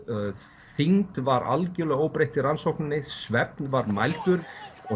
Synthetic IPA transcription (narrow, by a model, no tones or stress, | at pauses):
θiŋt̪vaɾa̰lcʏlœɣoːwpɾejht̪iransowhknɪnːɪsvɛp̚nvaɾma̰jl̥kʏɾ | ɔ